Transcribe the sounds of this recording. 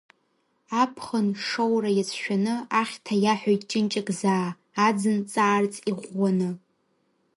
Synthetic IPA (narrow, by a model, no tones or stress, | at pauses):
apʰχənʂowrajat͡sʰʃᶣanɨaχʲtʰajaħʷᶣojtʼt͡ʃʼɪnt͡ʃʼakʼzaː | d͡zɨnt͡sʼaːrt͡sʼiʁʷanɨ